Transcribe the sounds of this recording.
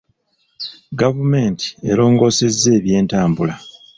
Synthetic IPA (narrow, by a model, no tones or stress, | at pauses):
ɡavume̞ːnti̥e̞ɾo̞ːŋɡo̞ːse̞zːe̞ːβje̞ːntaːmbula